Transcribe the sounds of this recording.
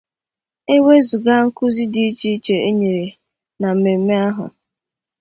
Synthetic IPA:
e˦we˦zu˨ɡa˦ŋ̩˦kʊ˦zi˦di˦t͡ʃi˦t͡ʃe˨e˦ɲe˨ɾe˨ | na˨m̩˨me˨m̩˦me˦a˦ɦʊ̰˨

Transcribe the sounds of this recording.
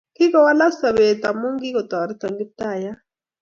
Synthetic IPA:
ki˦kɔ˦wa˦la˦sa˨βe˨t̪a˨mu˦ŋɡi˦kɔ˨t̪a˨a˨ɾi˦ta˨ŋɡi˦t̪a˦˨ja˦

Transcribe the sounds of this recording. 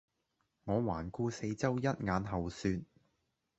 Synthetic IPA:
ŋɔː˨˧waː˨˩nkuː˧se˧jt͡sɐ˥wjɐ˥t̚ŋaː˨˧nɦɐ˨wsyː˧t̚

